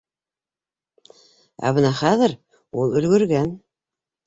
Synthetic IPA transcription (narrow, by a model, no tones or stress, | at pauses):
æ̰βɤnɑχæðɘ̆ɾ | ulˠɵ̆lɡɵ̆ɾɡæn